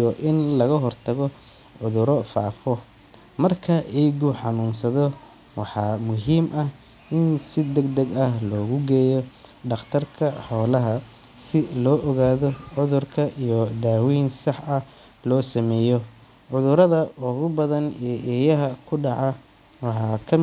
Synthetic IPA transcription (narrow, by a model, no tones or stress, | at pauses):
ɔʔɪnlɐɣɐɦɔrt̪ʰɐɣɔ | ʕʊðʊɾɔfa̰ːfɔ | mɐrkʰɐʔɛjɡʊħɑnuːnsɐðɔ | wɑħɑːmʊɦiːmʔɐh | ʔɪnsɪd̪ɐɡd̪ɐɡɐhlɔːɣʊɡɛːjɔɖɑqt̪ʰɐrkʰɐħɔːlɐɦɐ | sɪlɔːʔɔɣaːðɔʕʊðʊrkʰɐʔijɔd̪aːwiːnsɑħɐ | lɔːsɐmɛːjɔ | ʕʊðʊɾɐðɐʔʊɣʊbɐðɐnɛʔɛːjɐɦɐkʰʊɖɑʕɑ | wɑħɑːkʰɐ